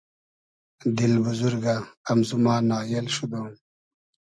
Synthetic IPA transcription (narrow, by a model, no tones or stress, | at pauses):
d̪ilbuzuɾɡaːmzumaːnaːjelɕud̪oː